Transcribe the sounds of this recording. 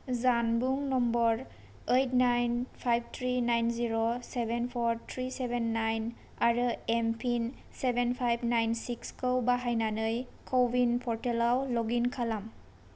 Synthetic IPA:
zanbuŋnɔmbɔɾ | ejtnajnpʰajb̚tʰɾinajnziɾosebenpʰɔɾtʰɾisebenːajn | aɾɯempʰin | sebenpʰajbnajnsikskɯwbaɦajnanɯjkʰobinpʰɔɾtelawlɔɡinkʰalam

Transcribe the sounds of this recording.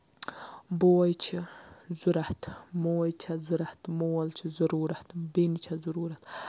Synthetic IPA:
bowɐjt͡ʃʰizuɾaht̪ʰmowɐjt͡ʃʰazuɾaht̪mowɐlt͡ʃʰizɐɾuːɾat̪ʰbenit͡ʃʰazuɾuːɾɐt̪ʰ

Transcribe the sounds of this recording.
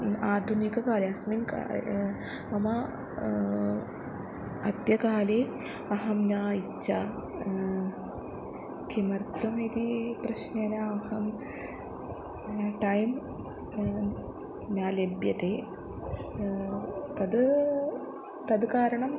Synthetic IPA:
aːd̪ʱunikɐkaːleɐsminka̰ | ɐmɐ | ɐt̪jɐkaːleː | ɐɦɐmnaːit͡ʃːɕa | kimɐɾt̪ɐmeːt̪ipɾɐʃnenɐɐhɐm | ʈɐjm | njaːlebjɐt̪eː | t̪ɐd̪ | t̪ɐd̪kaːɾɐɳɐm

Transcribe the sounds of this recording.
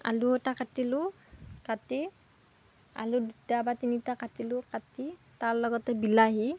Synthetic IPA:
a̰luɔtakatilʊ | kati | a̰ludutabatinitakatilʊkati | taɹlɔɡɔtɛbilaɦi

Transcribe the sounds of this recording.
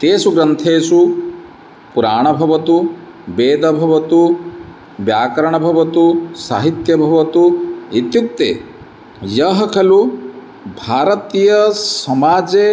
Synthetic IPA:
t̪eːsuɡɾɐnt̪ʰeːsu | puɾaːɳ̃ɐbʱɐʋɐt̪u | beːd̪ɐbʱɐʋɐt̪u | bjaːkɐɾɐɳ̃ɐbʱɐʋɐt̪usaːɦit̪jɐbʱɐʋɐt̪uit̪juk̚t̪ḛː | jɐɦɐkʰɐlu | bʱaːɾɐt̪ijɐsɐmaːd͡ʒe

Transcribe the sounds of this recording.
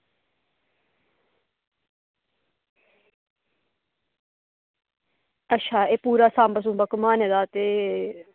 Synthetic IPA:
ətːʃʰaːeːpuːɾaːsaːmbəs̬ũːbəkʊmaːneːd̪aːt̪eː

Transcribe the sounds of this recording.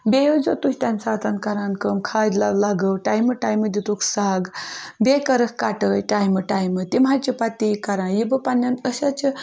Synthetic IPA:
bʲejod͡ʒot̪usʲt̪ʲansat̪ankaɾankəmkʰad͡zlawlaɡəwʈajməʈajməd̪it̪uksaɡbekɐɾəkkaʈəjʈajmɨʈajmɨt̪im̤at͡ʃipat̪ːikaɾãnjibəpanːɐnəɕat͡ʃə

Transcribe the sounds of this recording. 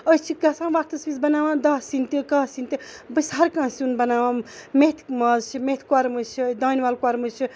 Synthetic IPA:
əst͡ʃʰikɐsãːʋakt̪ɐsbisbɐnaːʋãd̪ɐsint̪ikaːsint̪ibɨsaɾkãːsunbɐnaːwãmet̪ʰmazt͡ʃʰimet̪ʰkwaɾmɨt͡ʃʰid̪aːnʲʋalkwaɾmɨt͡ʃʰi

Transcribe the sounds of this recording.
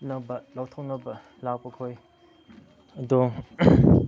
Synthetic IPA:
nɐbɐlawt̪ʰɐwnɐbɐ | lawpɐkʰoj | ɐd̪ɔ

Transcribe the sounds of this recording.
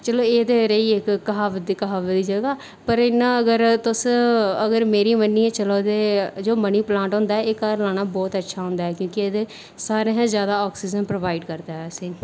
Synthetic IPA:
t͡ʃəloːeːd̪eːɾeiːɪkkːəɦaːʋət̪̚d̪iːkəɦaːʋəd̪iːd͡ʒəɡaː | pəɾɪnːãːəɡəɾt̪ʊsəɡəɾmeːɾiːmənːiːɛ̃ːt͡ʃəloːd̪eːd͡ʒoːməniːplãːɳʈɦõːnd̪aːɛeːkaɾlaːnaːbɔːt̪ətːʃʰaːɦʊ̃nd̪aːɦɛːkjõːkɪeːd̪eː | saːɾeːɦãːzjaːd̪aːɔːksiːd͡ʒənpɾoʋaːɪɖkəɾd̪aːɛːse

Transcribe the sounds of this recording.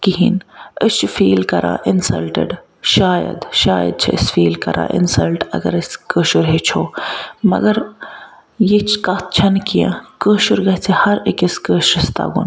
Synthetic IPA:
kiɦinət͡ʃʰfiːlkɐɾã̰ːʔɪnsɐlʈə̰ɖ | ʃaːjɐ̰d̪ʃaːjə̰d̪̚t͡ʃʰɐəsfiːlkɐɾʔã̰ːʔɪ̰nsɐlʈɐ̰ɡɐ̰ɾəskəːʃuɾɦet͡ʃʰoːmɐ̰ɡɐɾ | jet͡ʃʰkɐt̪̚ʰt͡ʃʰɐnkijã̰kəːʃuɾɡɐt͡sʰihɐɾikɐskəːʃɾɐst̪a̰ːɡun

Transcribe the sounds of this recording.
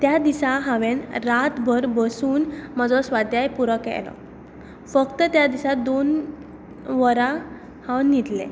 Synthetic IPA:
t̪jad̪isaɦãʋẽnɾat̪bʱəɾbəsuːnməd͡zɔsʋad̪ʱjajpuɾəkɛ̰lɔ̰ | fəkt̪ət̪jad̪isad̪on | ʋəɾa | hãwnit̪lḛ̃

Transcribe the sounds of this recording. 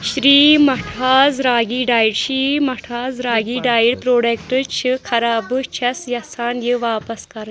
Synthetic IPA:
ɕɾiːmɐʈʰaːzɾaːɡiːɖaːjiɽɕiːmɐʈʰaːzɾaːɡiːɖaːjiɽpɾoːɽekʈət͡ʃʰɨkʰɐɾaːbɨt͡ʃʰɐsjɐsaːnjəʋaːpɐskɐɾ

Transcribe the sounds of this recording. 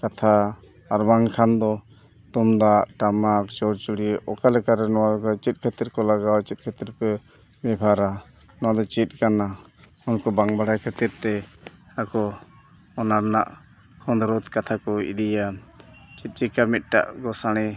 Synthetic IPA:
kat̪ʰaː | ɾbaŋkʰand̪ɔ | t̪umd̪aʔʈamak̚t͡ʃɔɾt͡ʃuɽieʔɔkalɛkaɾɛnɔwad̪ɔkat͡ʃit̪̚kʰɛt̪iɾkɔlaɡawt͡ʃit̪̚ˀkʰɛt̪iɾpɛ | mɛbʱaɾa | nɔwad̪ɔt͡ʃit̪̚ˀkana | unkɔbaŋbaɽajkʰɛt̪iɾt̪ɛ | akɔ | ɔnaɾna̰ʔ | kʰɔnd̪ɔɾɔd̪kat̪ʰakɔḭd̪ijat͡ʃit̪̚ˀt͡ʃikamit̪̚ˀʈa̰ʔkɔsaɽ̃ɛ

